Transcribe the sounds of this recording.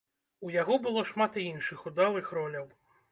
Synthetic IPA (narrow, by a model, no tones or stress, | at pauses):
ujaɣɔbɨlˠɔʂmat̪iinʂɨxud̪alˠɨxɾɔlʲɐw